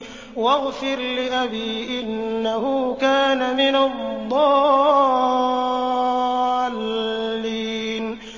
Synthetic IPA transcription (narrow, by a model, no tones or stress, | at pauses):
waɣfɪɾlɪʔabiːʔɪnːahʊkaːnamɪnad̪ˤːɑː | lː | iː | n